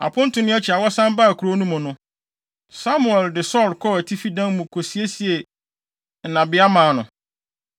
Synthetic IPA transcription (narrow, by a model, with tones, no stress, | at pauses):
a̰˨pʰʊ̃˦n̩˦tʰʊ˨nʊ̃˦ɛ˦t͡ɕʰi˨a˨wɔ˦sã˦mba˦˨kʰu˨ɾo˦nũ˦mʊ̃˨nʊ̃˦ | sa˦mu˨ɛ˨ldɪ˨sɔ˦˨ɾkʰɔ˦æ˨tʰi˦fi˦dã˦nmʊ̃˨kʰo˨si˨e˦si˨e˨ | n̩˨nã˨bɪ˦a˦mãː˨nʊ̃˨